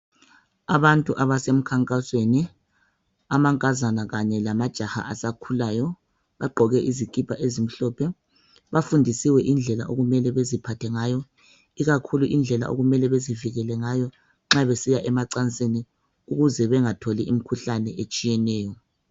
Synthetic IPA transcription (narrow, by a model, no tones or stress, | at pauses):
aβantʼuʔaβasem̩kʰaŋkʼasweni | amaŋkʼazanaɣaɲɛlamad̥ʒ̥ʱaha̰asakʰulaːjɔ | βaɡ͡ǃʱɔɣɛʔizikʼipʰaʔezim̩ɬɔːpʰɛ | βafundʱisiwɛʔind͡ɮʱɛla̰ʔoɣumɛlɛβezipʰatʰɛŋajɔ | iɣakʰuluʔind͡ɮʱɛla̰ʔo̰ɣumɛlɛβeziviɣɛlɛŋajɔ | ŋ͡ǁaβesijaʔɛmaǀant͡sʼeni | uɣuzɛβɛŋatʰoliʔim̩kʰuɬanɛʔet͡ʃʼijɛnɛːjɔ